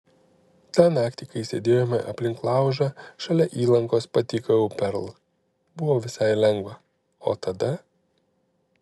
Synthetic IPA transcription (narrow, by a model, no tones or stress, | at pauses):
t̪ɑnɑːkt̪ʲikɐɪsʲḛːd̪ʲeːjoːmʲɛʔɐ̰pʲlʲɪŋklˠɑˑʊʒɐʃɐlʲɛʔiːlˠɐŋkoːspɐt̪ʲiːkɐʊpʲɛɾlˠ | bʊʋoːʋʲɪsɑɪlʲɛŋɡʋɐ | o̰ːt̪ɐd̪ɐ